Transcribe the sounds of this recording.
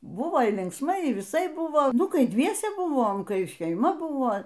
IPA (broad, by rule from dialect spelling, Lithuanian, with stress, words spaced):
ˈbuːʋoː iː lʲɪŋksˈmɐɪ iː ʋʲɪˈsɐɪp ˈbuːʋoː ˈnʊ ˈkɐɪ ˈdʲʋʲiɛsʲɛ ˈbuːʋoːm ˈkɐɪ ʃʲɛɪˈmɐ ˈbuːʋoː